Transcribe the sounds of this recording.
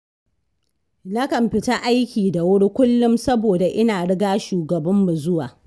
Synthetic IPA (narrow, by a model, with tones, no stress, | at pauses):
na˦kɐ˨mɸɪ˨ta˦ʔa˦jkʲiː˨da˨wʊ˦ɽi˦kʷʊ˦lːʊ˦msɐ˦boː˨da˨ʔɪ˦naː˨ɽɪ˦ɡaː˦ʃuː˨ɡɐ˨bɐ˦mːu˨zʊ˦waː˨